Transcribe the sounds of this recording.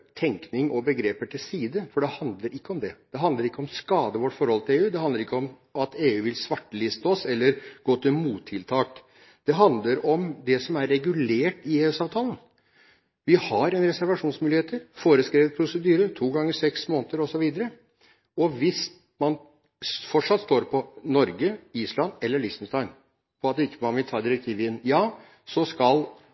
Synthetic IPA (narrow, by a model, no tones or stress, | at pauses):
t̪ʰɛŋknɪŋʔɔbəɡɾeːpəʈʰɪlsiːd̪əfɔɖɛhɑnd̪ləɾɪkːəɔmd̪ɛd̪̥ɛɦɑnd̪əɾɪkːəɔmskɑːd̪əʋɔʈːfɔɾhɔlt̪ɪleːʉːd̪ɛhɑnd̪əɾɪkːəɔm | ɑt̪ʰeːʉːʋɪlsʋɑʈːəlɪst̪oːsɛlːəɾɡ̥oːt̪ʰɪlmuːt̪ʰːɪlt̪ʰɑːk | d̪̥ɛɦɑnd̪ləɾɔmd̪ɛsɔmæɾːɛɡʉleːʈɪeːʉːsɑːʋt̪ʰɑːlən̩ | ʋɪhɑɾɛnɾɛsæɾʋɑʂuːnsmʉːlɪheːt̪əɾfoːɾəskɾeːʋət̪̚pʰɾʊsəd̪yːɾət̪ʰuːɡɑŋːəsɛksmoːnət̪əɾɔsɔʋiːd̪əɾə | ɔʋɪs | mɑn | fɔʈʂɑt̪st̪oːɾpʰɔnɔɾɡəiːslɑnɛlːəɭɪst̪n̩st̪ɑɪn | pʰɔɑt̪̚ɛɪkːəmɑnʋɪlt̪ʰɑːɾd̪ɪɾɛk̚t̪ʰiːʋəɪnjɑː | sɔskɑl